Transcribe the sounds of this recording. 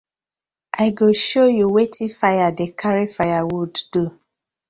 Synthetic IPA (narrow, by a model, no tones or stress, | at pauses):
ʔaɪɡoʃojuwetʰifajadekʰaɾifajawudːu